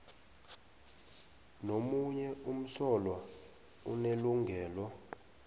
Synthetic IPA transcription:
nomuɲɛum̩sɔlwa | ṵneluŋɡʱɛːlɔ

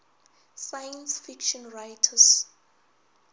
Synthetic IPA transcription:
sajɛnsfikʃɔ̃nɹajtʰəs

